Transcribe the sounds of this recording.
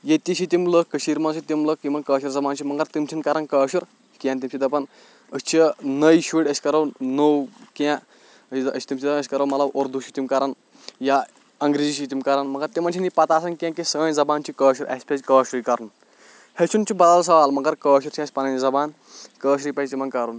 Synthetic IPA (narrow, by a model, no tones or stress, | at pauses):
jet̪iʃit̪imləkkːəʃiːɾmɐnsʰit̪imləkːimɐnkəːʃiɾzɐbaːnt͡ʃʰimɐŋɡɐɾt̪imt͡ʃʰinkɐɾɐnkəːʃiɾ | kʲãːnt̪imt͡ʃʰid̪ɐpɐn | əsʲt͡ʃʰinəjʃuʈʲəsʲkɐɾɐwnowkã | əəsʲt̪imʲt͡ʃʰid̪ɐnəsʲi̥kɐɾɐːmɐt̪lɐbʔoɾd̪uʃʰit̪imkɐɾɐn | ja | ɐŋɡɾiːd͡ʒit͡ʃʰit̪̬imkɐɾɐnmɐɡɐɾt̪imɐnt͡ʃʰinipɐt̪aːsɐnkʲãːkẽsənzɐbaːnt͡ʃʰikəːʃiɾɐ̰sʲpʲed͡ʑʲkəːʃɾikɐɾun | het͡ʃʰunt͡ʃʰibɐd̪als̬ɐʋaːlmɐɡɐɾkəːʃuɾt͡ʃʰiɐsʲpɐnɐnzɐbaːn | kəːʃɾipɐit̪imɐnkɐɾun